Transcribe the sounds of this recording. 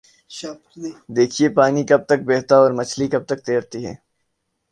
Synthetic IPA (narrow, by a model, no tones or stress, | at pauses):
d̪eːkʰiepaːnikɐb̚t̪ɐk̚beːɦt̪aɔːɾmɐt͡ʃʰlikɐb̚t̪ɐk̚t̪eːɾt̪iɦɛ̰ː